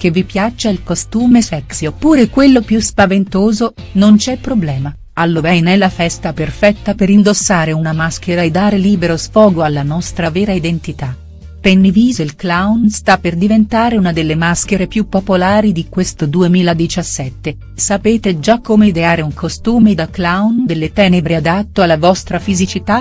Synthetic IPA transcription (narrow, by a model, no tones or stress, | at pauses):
k̟evːipjat͡ʃːailkost̪uːmefɛksjopuːɾekwelːopjuspavent̪oːzo | nont͡ʃɛpːɾoblɛːma | alːovɛjnɛlːafɛst̪aperfɛt̪ːapeɾind̪osːaːɾeunamask̟eɾaed̪ːaːɾeliːbeɾosfɔːɡoalːanɔst̪ɾavɛːɾaid̪ent̪it̪a | penːiviːzoilklawnst̪apːerd̪ivent̪aːɾeunad̪elːemask̟eɾepjupːopolaːɾid̪ikwest̪od̪uemiːlad̪it͡ʃasːɛt̪ːe | sapeːt̪ed͡ʒakːomed̪eaːɾeuŋkʰost̪uːmed̪aklawnd̪elːet̪ɛːnebɾead̪at̪ːoalːavɔst̪ɾafizit͡ʃit̪a